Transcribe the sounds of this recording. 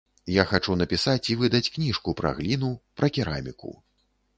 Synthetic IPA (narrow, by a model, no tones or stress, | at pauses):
jaxat͡ʂunɐpʲisat͡sʲivɨd̪ɐt͡sʲknʲiʂkupɾa̰ɣlʲin̪upɾʔɐkʲiɾa̰mʲikṵ